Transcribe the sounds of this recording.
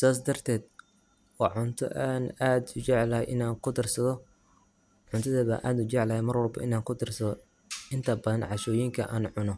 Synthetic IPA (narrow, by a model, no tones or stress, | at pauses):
saːs̬d̪ɐrt̪ʰɛːd̪ | wɑʕʊnt̪ʰɔ̰ʔaːnaːd̪ʊt͡ʃɛʕlɐhɛjʔɪnaːŋkʰʊd̪ɪrsɐðɔ | ʕʊnt̪ʰɐðɐβa̰ːʔa̰ːd̪ʊt͡ʃɛʕlɐhɛmɐrwɐlbɐ̰ʔɪnaːŋkʰʊd̪ɪrsɐðɔ | ɪnt̪ʰɐbɐðɐnʕɑʃɔːjiŋkʰɐʔa̰ːnʕʊnɔ